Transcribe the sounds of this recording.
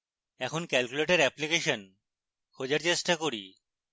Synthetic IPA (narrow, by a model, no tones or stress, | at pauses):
ɛkʰonkɛlkuleʈeɾɛplikeʃon | kʰod͡ʑeɾt͡ɕeʃʈakoɾi